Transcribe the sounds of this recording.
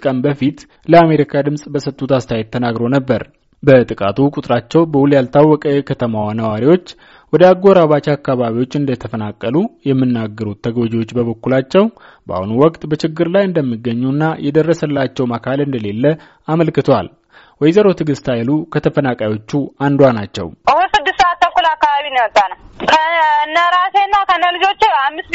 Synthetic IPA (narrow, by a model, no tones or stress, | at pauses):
kʼənbəfit̪ | ləameɾikʰad̪ɨmsʼbəsət̪ʼːut̪ast̪ʰajet̪ʰːənaɡɾo̞nəbːəɾ | bət̪ʼɨkʼat̪ʰukʼut̪ʼɾat͡ʃːɛwbəwuljalt̪ʰawːɔkʼəjɛkʰət̪ʰəmawanəwaɾiwo̞t͡ʃː | wɔd̪əaɡːoɾaβat͡ʃakːaβaβiwo̞t͡ʃːɨnd̪ət̪ʰəfənakʼːəlujɛmːɨnːaɡːəɾut̪ʰːəɡod͡ʒiwo̞t͡ʃːbəβəkːulat͡ʃːɛw | bəa̰hunuwɔkʼt̪ʼbət͡ʃɪɡːɨɾlajɨnd̪əmːiɡːəɲːunːajɛd̪ərːəsəlːat͡ʃːɛwməkʰalɨnd̪əle̞lːə | aməlkɨt̪ʰwa̰l | wɔjzəɾo̞t̪ʰɨɡɨst̪ʰajlukʰət̪ʰəfənakʼajo̞t͡ʃːuand̪wanat͡ʃːɛ̰wʔɨhusɨd̪ːɨst̪ːəat̪ːəkːulakːaβaβinimət̪ʼːanəwkʰənːəɾasenːakʰənːəlɨd͡ʒo̞t͡ʃːehamːɨst̪